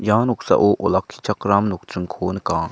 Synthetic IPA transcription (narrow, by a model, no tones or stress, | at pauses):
janok̚sa̰ʔoʔolakʰːi̥t͡ʃʰakɾamnok̚tɯŋkʰonkaŋ